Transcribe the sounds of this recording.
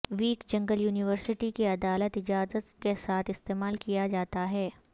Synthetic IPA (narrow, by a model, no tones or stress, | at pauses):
ʋiːkd͡ʒɐ̃ŋɡəljuːnɪʋəɾsɪʈikeɐd̪aːlət̪ɪd͡ʒaːzət̪kesaːt̪ʰɪst̪eːmaːlkijad͡ʒaːt̪aɦɛː